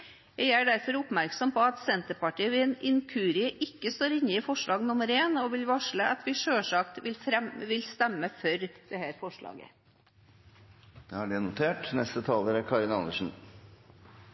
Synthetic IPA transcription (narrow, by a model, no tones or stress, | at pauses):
jæɪæːɖæɾfɔɾʊpmæɾksɔmpʰɔɑt̪sɛnt̪əpɑʈiːəʋɪnɪŋkʰʉːɾɪəʔɪkːəst̪oːɾɪnːəɪfɔʂɭɑːɡnʊməɾeːnɔʋɪlʋɑʂɭəʔɑt̪ʋɪʂøːʂɑkt̪ʋɪlfɾɛmʋɪlst̪ɛmːəfœɾd̪̥ɛhæːɾfɔʂɭɑ̰ːɡə̰ | d̪̥ɛhæɖɛnʊt̪ʰeːʈnɛst̪ət̪ʰɑːləɾæɾkʰɑːɾɪnɑnd̪əʂn̩